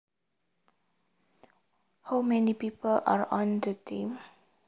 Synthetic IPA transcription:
hawmɛnipipʰəla̰ɹɔ̃ndətʰĩm

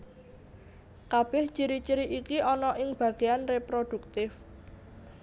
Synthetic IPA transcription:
kab̥ɛht͡ʃiɾit͡ʃiɾiʔikiʔɔnɔʔɪŋb̥ä̤ɡ̥e̤anrepɾod̪̥ṳk̚t̪ɪf

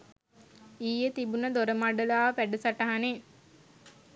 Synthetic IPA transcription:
iːjet̪ibunəd̪oɾəmaɖəlaːʋəpæɖəsaʈaɦane

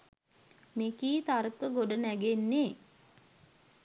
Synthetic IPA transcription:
mekiːt̪aɾəkəɡoɖənæɡenːe

